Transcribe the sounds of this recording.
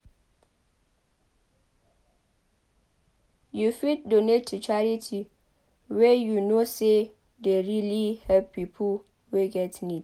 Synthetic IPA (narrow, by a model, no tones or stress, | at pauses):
jufit̚donetʰt͡ʃʰaɹitʰi | wɛjunose | deɹilihɛvpʰipʰu | weɡɛtnit